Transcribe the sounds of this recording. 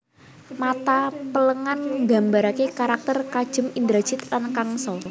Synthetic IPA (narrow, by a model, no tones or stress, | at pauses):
mat̪apələŋanɡa̤mbaɾakekaɾak̚t̪ərkad̥ʒ̥ə̤mind̪ɾḁʒ̥ɪt̪lankaŋsɔ